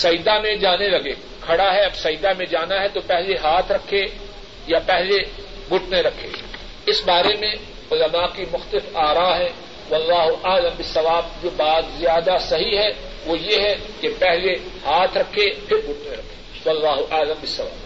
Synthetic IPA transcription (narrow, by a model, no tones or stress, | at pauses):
sɐid̪amẽd͡ʒaːnelɐɡeː | kʰɐɽaɦɛɐbsɐid̪amẽd͡ʒaːnaɦɛt̪opɛɦleɦaːt̪ʰɾɐkʰːe | japɛɦle | ɡʱʊʈʰneɾɐkʰːḛː | ɪsbaːɾemẽ | ʊlɐmakimʊxt̪əlɪfaːɾaɦɛ̃ | ʋɐlːaːɦʊʔaːlə̃mbɪsːɐʋaːb̚d͡ʒobaːt̪zjaːd̪asɐɦiɦɛ | ʋojeɦɛkepɛɦle | haːt̪ʰɾɐkʰepʰɪɾɡʱʊʈ̚ʰneɾɐkʰe̥ː | ʋɐlːaːɦʊʔaːlə̃mbɪsːɐʋa̰ːb